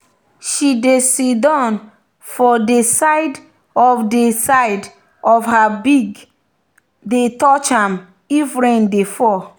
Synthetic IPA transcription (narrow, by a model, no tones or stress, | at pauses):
ʃidesidãn | fɔdesaɪd | ɔfdesaɪd | ɔfhabiɡ | detɔt͡ʃãm | ifɹɛ̃ndefɔ